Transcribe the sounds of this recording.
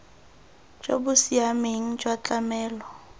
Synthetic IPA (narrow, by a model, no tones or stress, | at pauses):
d͡ʒo̰bʊsiameŋ̩d͡ʒwat͡ɬʼamɛːlɔ